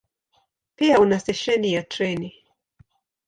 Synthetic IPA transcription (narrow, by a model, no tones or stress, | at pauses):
piaunasɛʃɛnijatɾɛni